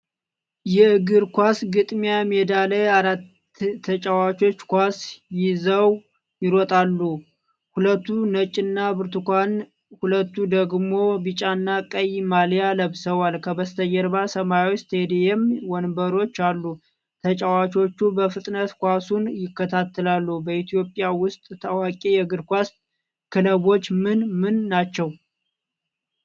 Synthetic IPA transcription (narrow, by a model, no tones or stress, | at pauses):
jɛɨɡɨɾkʷasɡɨt̪ʼmjamed̪aləjaɾat̪ʰː | ət͡ʃʼawat͡ʃo̞t͡ʃːkʷasjɪzəw | jɪɾɔt̪ʼalːu | hulət̪ːunət͡ʃʼɪnːabɨɾt̪ukʷan | hulət̪ːud̪əɡmo̞bɨt͡ʃʼanːakʼəjmaljaləβsəwalkʰəbəst̪ʰəjːɛɾbasəmajwst̪ʰed̪ejɛmwɔnbəɾo̞t͡ʃːalːu | t̪ʰət͡ʃʼawat͡ʃʰo̞t͡ʃːubəfɨt̪ʼnət̪kʷasunjɪkːət̪ʰat̪ːəlalːubəit̪ʰijo̞pʼjawʊst̪ʼt̪ʰawakʼijɛɡɨɾkʷast̪ʼ | kʰɨləβo̞t͡ʃːmɨnmɨnːat͡ʃːɛw